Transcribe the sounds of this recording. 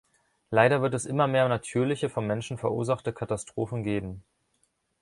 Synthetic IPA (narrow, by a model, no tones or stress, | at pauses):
laɪɾɐvɪɐt̬ɛsʔɪmɐmeːɐnatʰyːɐlɪçəfɔmmɛnʃn̩fɛɐʔṵːɐzaχtəkʰatastʁ̥oːfn̩ɡeːbm̩